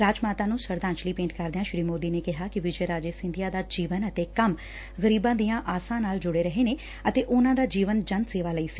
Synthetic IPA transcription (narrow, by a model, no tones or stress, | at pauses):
ɾaːd͡ʒmaːt̪aːnũːsəɾd̪ãːnt͡ʃliːpẽːɳʈkəɾd̪eãːʃɾiːmoːd̪iːneːkɪɦaːkɪʋɪd͡ʒəːɾaːd͡ʒeːsɪ̃nd̪ɪjaːd̪aːd͡ʒiːʋənət̪eːkəm | ɣəɾiːbãːd̪ijãːʔaːsãːnaːld͡ʒʊɽeːɾəɦeːneː | ət̪eːʔʊnãːd̪aːd͡ʒiːʋənd͡ʒə̃nd̪seːʋaːləiːsi̥